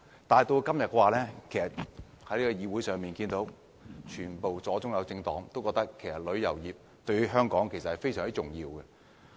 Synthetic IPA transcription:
t̪aː˨jt̪o˧wkɐ˥mjɐ˨t̚kwaː˨˧lɛː˥kʰe˨˩jsɐ˨t̚ | hɐ˨˥jliː˥kɔː˧jiː˨˧wuː˨˥jsœː˨ŋmiː˨˩nkiː˧nt̪o˨˥w | t͡ʃʰyː˨˩npo˨wt͡sɔː˨˥t͡sʊ˥ŋjɐ˨˧wt͡sɪ˧ŋt̪ɔː˨˥ŋt̪o˥wkɔ˧k̚t̪ɐ˥kʰːe˨˩jsɐ˨t̚lɵ˨˧˥jɐ̰˨˩wjiː˨p̚ | t̪ɵ˧ɥɦœː˥ŋkɔː˨˥ŋkʰe˨˩jsɐ˨thɐ˨jfe˥jsœː˨˩ŋt͡si˥ʊ˨˩ŋjiː˧wɡɛ˧

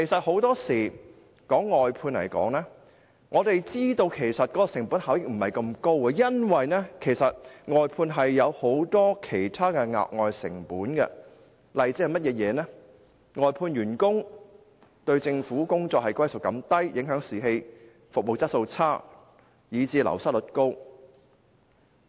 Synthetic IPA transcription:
kʰe˨˩jsɐ˨t̚ho˨˥wt̪ɔː˥siː˨˩ | kɔː˨˥ŋːɔː˨jpʰuː˧nlɐ̰˨˩jkɔ̰ː˨˥ŋnɛː˥ | ŋʔɔː˨˧t̪e˨jt͡siː˥t̪o˧wkʰe˨˩jsɐ˨t̚kɔː˨˦˥kɔ˧sɪ˨˩ŋpuː˨˥nhaː˨˥wjɪ˥k̚m̩˨˩hɐ˨˩jkɐ˧mko˥wkɛ˧jɐ˥nwɐ˨jnɛː˥kʰe˨˩jsɐ˨t̚ŋɔː˨jpʰuː˧nɦɐ˨jːɐ˨˧who˨˥wt̪ɔː˥kʰe˨˩jt̪ʰaː˥kɛ˧ŋa̰ː˨k̚ŋɔː˨jsɪ̰˨˩ŋpuː˨˥nkɛ̰˧ | lɐ˨jt͡siː˧˥hjmɐ˥t̚jɛː˨˧jɛː˨˧nɛː˥ | ŋɔː˨jpʰuː˧nɥyː˨˩nkʊ˥ŋ | t̪ɵ˧ɥt͡sɪ˧ŋfuː˨˥kʊ˥ŋt͡sɔː˧k̚hɐ˨jkwɐ˥jsʊ˨˩kːɐ˨˥mt̪ɐ˥jjɪ˨˥ŋɦœː˨˥ŋsiː˨ɦe˧j | fʊ˨mo˨wt͡sɐ˥so˧wt͡sʰaː˥ | jiː˨˧t͡siː˧lɐ̰˨˩wsɐ˥t̚lɵ˨˥t̚ko˥w

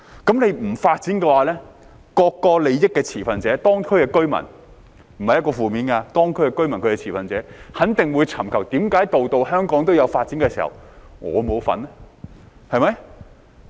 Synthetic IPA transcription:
kɐ˨˥mle˨˧jm̩˨˩faː˧t̚t͡siː˨˥nkɛː˧waː˨˧lɛː˥ | kɔː˧kːɔː˧le˨˧jjɪ˥kːɛː˧t͡sʰiː˨˩fɐ˨nt͡sɛː˨˥t̪ɔː˥ŋkʰɵ˥ɥkɛː˧kɵ˥ɥmɐ̰˨˩n | m̩˨˩hɐ˨jɐ˥tkɔː˧fuː˨miː˨˥nkaː˧t̪ɔː˥ŋkʰɵ˥ɥkɛː˧kɵ˥ɥmɐ˨˩nkʰɵ˨˧kɛː˧t͡sʰiː˨˩fɐ˨nt͡sɛ̰ː˨˥hɐ˨˥nt̪ɪ˨ŋwuː˨˧jt͡sʰɐ˨˩mkʰɐ˨˩wt̪iː˨˥mkaː˨˥jt̪o˨wt̪o˨˧wɦœː˥ŋkɔː˨˥ŋt̪o˥wjɐ˨˧wfaː˧t̚t͡siː˨˥nkɛː˧siː˨˩hɐ̰˨wŋɔ̰ː˨˧mo˨˧wfɐ̰˨˥nɛ˥ | hɐ˨˧jmɐ˨˦j

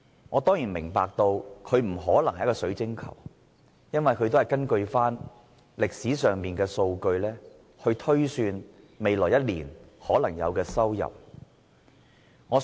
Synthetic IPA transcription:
ŋɔː˨˧t̪ɔː˥ŋjiː˨˩nmɪ˨˩ŋpaː˧k̚t̪o˧wkʰɵ˨˧ɥm̩˨˩ɦɔː˨˥lɐ˨˩ŋhɐ˨jɐ˥kɔː˧sɵ˨˥ɥt͡sɪ˥ŋkʰɐ̰˨˩w | jɐ˥nwɐ˨jkʰɵ˨˧ɥt̪o˥hɐ˨jkɐ˥nkɵ˧ɥfaː˥n | lɪ˨k̚siː˨˥sœː˨ŋmiː˨nkɛː˧so˧wkɵ˧ɥlɛː˥ | hɵ˧ɥt̪ʰɵ˥ɥsyː˧n | me˨jlɔː˨˩jɐ˥t̚lḭː˨˩nhɔː˨˥lɐ˨˩ŋjɐ̰˨˧wkɛː˧sɐ˥wjɐ̰˨p̚ | ŋɔː˨˧

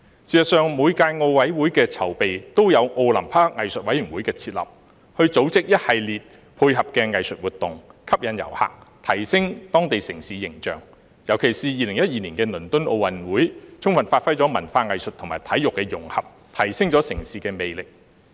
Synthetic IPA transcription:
siː˨˩sɐ˨t̚sœː˨˧ŋmuː˨˧jkaː˧jŋo˧wwɐ˨˥jwu˨˥jkɛː˧t͡sʰɐ˨˩wpe˨jt̪o˥wjɐ˨˧wʔo˧wlɐ˨˩mpʰaː˥ŋɐ˨jsɵ˨t̚wɐ˨˥jy˨˩nwu˨˥jkɛː˧t͡sʰiː˧t̚lɐ̰˨˩p̚ | hɵ˧ɥt͡so˨˧˥wt͡sɪ˥k̚jɐ˥t̚hɐ˨jliː˨t̚ | pʰuː˧jɦɐ˨p̚kɛː˧ŋɐ˨jsɵ˨t̚wuː˨t̪ːʊ˨ŋkʰɐ˥p̚jɐ˨˥njɐ̰˨˩wha̰ː˨k̚t̪ʰɐ˨˩jsɪ˥ŋt̪ɔː˥ŋt̪e˨jsɪ˨˩ŋsiː˨jɪ˨˩ŋt͡ʃœ̰ː˨ŋ | jɐ˨˩wkʰe˨˩jsiː˨jiː˨˧lɪ˨˩ŋjɐ˥t̚jiː˨˩niː˨˩nkɛː˧nɵ˨˩nt̪ɵ˥nʔo̰˧wwɐ˨˧nwuː˨˥jt͡sʰʊ˥ŋfɐ˨nfaː˧t̚fɐ˥jt͡sɔː˨˥mɐ˨˩nfaː˧ŋɐ˨jsɵ˨t̪ʰʊ˨˩maː˨jt̪ʰɐ˨˥jʊ˨kːɛː˧jʊ˨˩ŋhɐ̰˨p̚ | t̪ʰɐ˨˩jsɪ˥ŋt͡sɔː˨˥sɪ˨˩ŋsiː˨kɛː˧me˨˧jlɪ˨k̚

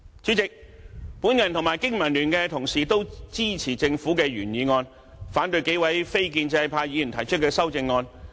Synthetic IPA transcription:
t͡syː˨˥t͡sɪ˨k̚ | puː˨˥njɐ˨˩nt̪ʰʊ˨˩maː˨˩jkɪ˥ŋmɐ˨˩nlyː˨˩nkɛː˧t̪ʰʊ˨˩ŋsiː˨˩t̪o˥wt͡siː˥t͡sʰiː˨˩t͡sɪ˧ŋfuː˨˥kɛː˧ɥyː˨˩njiː˨˧ŋɔː˧n | faː˨˥nt̪ɵ˧ɥke˨˥jwɐ˨˥jfe˥jk̬iː˧nt͡sɛ˧jpʰaː˧ji˨˧jy˨˩nt̪ʰɐ˨˩jt͡ʃʰɵ˥t̚kɛː˧sɐ˥wt͡sɪ˧ŋːɔː˧n

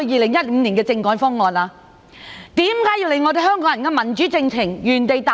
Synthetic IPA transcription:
jiː˨˩lɪ˨˩ŋjɐ˥t̚m̩˨˧˥niː˨˩nkɛː˧t͡sɪ˧ŋkɔː˨˥jfɔː˥ŋɔː˨˧naː˧ | t̪iː˨˥mkaː˨˥jiː˧wle˨˧jŋɔː˨˧d̪e˨˧ɦœː˥ŋk̬ɔː˨˥ŋjɐ˨˩nkɛː˧mɐ˨˩nt͡ʃyː˨˥t͡sɪ˧ŋt͡sʰɪ˨˩ŋjyː˨˩nt̪e˨jt̪a˨

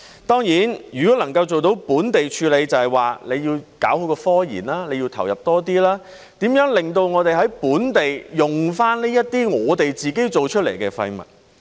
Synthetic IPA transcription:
t̪ɔː˥ŋjiː˨˥njyː˨˩kɔː˨˥lɐ˨˩ŋkɐ˧wt͡so˨wt̪o˨˧˥wpuː˨˥nt̪e˨jt͡ʃʰyː˧le˨˧jt͡sɐ˨˧hɐ˨jwaː˨le˨˧jiː˧wkaː˨˥whɵ˨˥kɔː˧fɔː˥jḭː˨˩nlaː˥le˨˧jiː˧wt̪ʰɐ˨˩wjɐ̰˨˩p̚t̪ɔː˥t̪̬iː˥laː˥ | t̪iː˨˥mjœː˨˥ŋlɪ˨ŋt̪o˧wŋɔː˨˧t̪e˨jɦɐ˨˥jpuː˨˥nt̪e˨jjʊ˨ŋfaː˥nli˥jɐ˥t̚t̪iː˥ŋɔː˨˧t̪e˨jt͡siː˨ke˥jt͡so˨wt͡ʃʰɵ˥t̚lḛ˨˩jkɛ̰ː˧fɐ̰˧jmɐ̰˨t̚

